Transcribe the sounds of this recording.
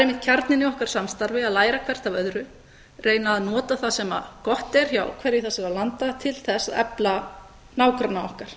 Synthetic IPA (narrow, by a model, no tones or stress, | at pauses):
aɾejmɪt̪̚cʰaɾt̪nɪnɪɔhkaɾ̥samst̪aɾvɪaðlaːjɾakʰvɛr̥t̪avœðɾʏ | rejnaːðnɔːt̪aθasɛma̰kɔht̪ɛɾ̥ça̰ːwkʰv̥ɛɾjɪθasɛɣalant̪at̪ʰɪlθɛsːaɛ̰pla | naːwkɾanaɔhkaɾ̥